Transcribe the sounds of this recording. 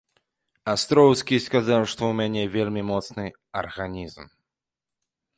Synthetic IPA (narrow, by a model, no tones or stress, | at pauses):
ast̪ɾɔwskʲiskazawʂt̪ɔwmʲanʲɛvʲelʲmʲimɔt̪snɨ | ɐ̰rɣanʲizm